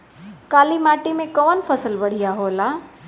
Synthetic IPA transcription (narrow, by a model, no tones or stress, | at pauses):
kaːlimaːʈimẽkɔːnpʰɐsəlbɐɽ̤ijaɦoːla